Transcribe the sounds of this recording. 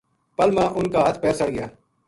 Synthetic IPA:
pəlmãːʔʊnkaːɦət̪ʰpɛːsəɽɡɪjaː

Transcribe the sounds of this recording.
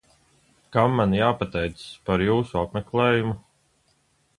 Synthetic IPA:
kamːanjaːpat̪ɛjt̪spaɾjuːsuapmɛklɛːjumu

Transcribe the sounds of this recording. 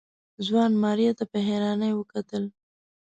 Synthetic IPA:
zwɑnmɑɾjat̪apəɦeɾɑnəjwəkat̪əl

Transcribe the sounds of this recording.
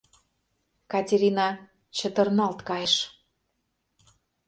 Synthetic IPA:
kɑtʲeɾʲinɑ | t͡ɕə̆t̪ə̆rnɑlt̪kɑjeʃ

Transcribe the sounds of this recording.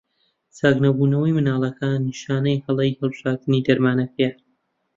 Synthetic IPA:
t͡saːɡnɐbuːnɐwɐjmɨnaːlˠɐkanːiʃaːnɐjhɐlˠejhɨlˠbʒaːt̪ɨnid̪ɐɾmaːnɐkʰɐja

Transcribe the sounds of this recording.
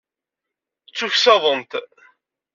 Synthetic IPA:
t͡sːuçsɑðˤənt̪

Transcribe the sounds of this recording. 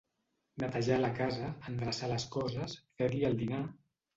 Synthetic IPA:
nət̪aʒaləkazəːnd̪ɾasaləskɔzəsfeɾliəlˠd̪ina

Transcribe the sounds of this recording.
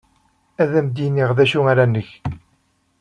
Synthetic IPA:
æðæmd̪inːiʁðæʃuaɾanːəç

